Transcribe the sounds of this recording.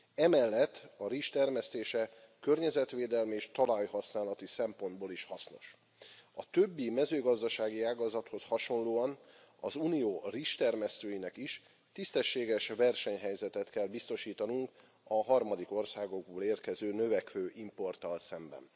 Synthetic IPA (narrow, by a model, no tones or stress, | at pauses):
ɛmɛlːɛt̪ːɒɾiʃt̪ɛrmɛst̪eːʃɛ | kørɲɛzɛt̪ʋeːd̪ɛlmieːʃt̪ɒlɒjhɒsnaːlɒt̪isɛmpo̞nd̪boːliʃhɒsno̞ʃ | ɒt̪ø̞bːimɛzøːɡɒzd̪ɒʃaːɡiaːɡɒzɒt̪ho̞shɒʃo̞nloːɒn | ɒzuːnijoːriʃt̪ɛrmɛst̪øːjinɛkiʃ | t̪ist̪ɛʃːeːɡɛʃʋɛrʃɛɲɦɛjzɛt̪ɛt̪kɛlbist̪o̞ʃiːt̪ɒnuŋk | ɒɦɒrmɒd̪iko̞rsaːɡo̞ɡ̚boːleːrkɛzøːnø̞vɛkʋøːʔimpo̞rt̪ɒlsɛmbɛ̰n